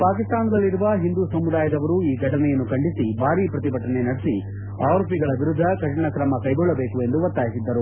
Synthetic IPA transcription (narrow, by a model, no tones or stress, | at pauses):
paːkist̪aːnd̪ɐlːiɾuʋɐɦind̪usɐmud̪aːjɐd̪ɐʋɐɾuiːɡʱɐʈɐnɛjɐnːukɐɳɖisibʱaːɾiːpɾɐt̪ibʱɐʈːɐne̞nɐɽesi | aːɾopiɡɐɭɐʋiɾud̪ʱːɐkɐʂɐɳɐkɾɐmɐkɐjɡɔɭːɐbeːkue̞nd̪uʋɐt̪ːaːjisid̪ːɐɾu